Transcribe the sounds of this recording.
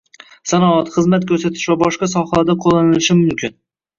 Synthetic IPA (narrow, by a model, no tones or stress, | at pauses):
sanɒat̪χɨzmat̪̚kʰɵɾsat̪ʰɪ̥ʃvabɒʃqɑsɒhalaɾd̪aqʰolˠːanɪlɪʃɪmʊmkʲɪn